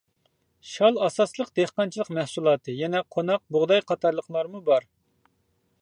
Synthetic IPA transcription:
ʃɑlˠɑsɑslˠəqd̪̥ehqɑnt͡ʃʰilˠəqmɛhsulˠɑːt̪ʰɨjɛnɛqʰonɑq̚bʊʁd̪ɑjqʰɑt̪ɑɾlˠəqʰlˠɑɾmubɑɾ

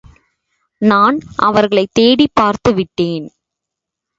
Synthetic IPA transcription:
naːnʔɐʋɐɾɣɐɭɐɪt̪ːeːɽipːaːɾt̪ɯʋɪʈːeːn

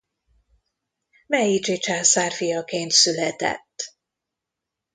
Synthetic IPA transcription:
mɛit͡ʃit͡ʃaːsaːrfijɒkeːnt̪sylɛt̪ɛ̰t̪ː

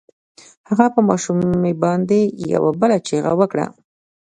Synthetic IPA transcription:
haɣapəmɑʃumebɑnd̪eja̰wabəlat͡ʃeɣa̰wəkɽa̰

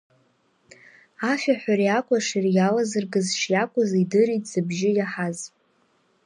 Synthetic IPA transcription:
afʲaħʷᶣarijakʷʼaʂirjalazɨrɡɨzʂjakʷʼʊzidɨɾitʼz̥ɨbʒɪjaħaz

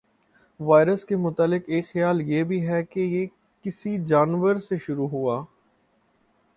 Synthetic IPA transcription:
ʋaːɪɾəskemʊt̪aːlɪqeːkxɪjaːljebʱiɦɛkeje | kɪsid͡ʒaːnʋəɾseʃʊɾuɦuaː

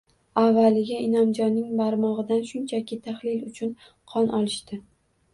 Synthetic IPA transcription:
avːalɪɡʲɪɪnɒmd͡ʒɒnːɪŋbaɾmɒʁɨd̪anʃʊnt͡ʃʰakʲʰɪt̪ʰaχlɪlʊt͡ʃʰʊn | qʰɒnʔɒlˠɪʃt̪ɪ

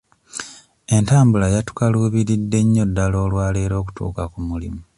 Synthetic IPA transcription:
e̞ntaːmbulajatu̥kaluːβiɾidːe̞ɲːo̞dːalo̞ːlwaːle̞ːɾo̞ːku̥tṵːkakumulḭmu

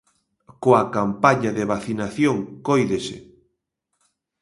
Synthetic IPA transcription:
koakampaɲaðeβaθinaθjoŋkojðesɪ̰

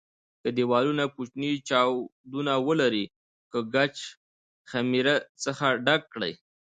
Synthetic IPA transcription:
kəd̪iwɑlunakut͡ʃnit͡ʃɑwd̪unawəlaɾi | kəɡat͡ʃ | xamiɾat͡səxaɖak̚ːɽə̰j

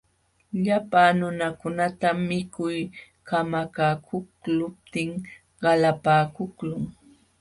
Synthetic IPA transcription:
ʎapaːnʊnakʊnat̪amɪkʊj | kamakaːkʰʊklʊp̚t̪ɪŋ | ɢɑlapaːkʊklʊŋ

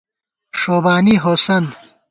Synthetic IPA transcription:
ʂoːbaːniɦosɐn

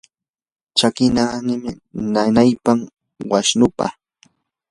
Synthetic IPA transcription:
t͡ʃakɪnanɪmɪ | nanajpam | waʃnʊpa̰

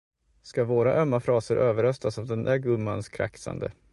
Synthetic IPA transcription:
skavoːɾaʔœmːafɾɑːsəɾʔøːvəɾœst̪asavd̪ɛnd̪æɡɵmːanskʰɾa̰ksa̰nd̪ə̰

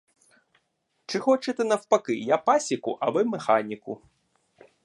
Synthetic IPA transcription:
t͡ʂɨxɔt͡ʂɛt̪ɛnɐwpakɨjapasʲikuʔɐvɨmɛxanʲiku

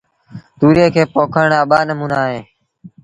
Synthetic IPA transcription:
t̪uːɾeːkʰeːpoːkʰəɳaːɓaːnəmũːnaːɦeː

